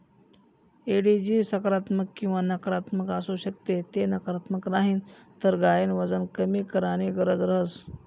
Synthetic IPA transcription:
eɽid͡ʑiːsəkɾat̪məkːĩw̃ʋanəkɾat̪məkasuɕək̚t̪et̪enəkɾat̪məknaɦiːnt̪əɾɡajenʋəd͡zənkəmiːkəɾaɽ̃iɡəɾəd͡zɾəɦəs

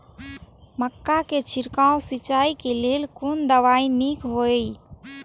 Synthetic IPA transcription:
məkːaket͡ʃʰɪɾkaːõsɪt͡ʃaːikeleːlkʊnd̪əʋaːinikɦoːei

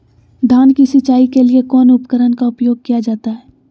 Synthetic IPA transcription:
d̪ʱaːnkisət͡ʃaːikeliekɔːnʊpəkəɾənkaʊpjoːɡ̚kijad͡ʒaːt̪aɦɛː

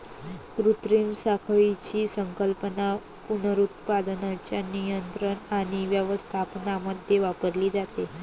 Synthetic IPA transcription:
kɾut̪ɾimsakʰɭit͡ɕiːsəŋkəlpəna | punəɾut̪̚pad̪nat͡ɕjanijənt̪ɾəɳaɽ̃iʋjəʋəst̪ʰapnaməd̪ʱjeʋapəɾliːd͡zat̪e

